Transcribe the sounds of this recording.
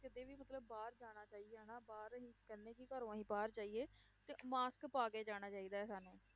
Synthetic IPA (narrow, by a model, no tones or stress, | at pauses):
kɪt̪eːʋiːmət̪ləbːaːɾd͡ʒaːɽ̃aːt͡ʃaːieːɛːnaːbaːɾɦĩːkɛnːẽːkɪkəɾõːɦĩːpaːɾt͡ʃaːiːeː | t̪eːmaːskpaːɡeːd͡ʒaːɽ̃aːt͡ʃaːiːd̪aːɛːsaːnẽː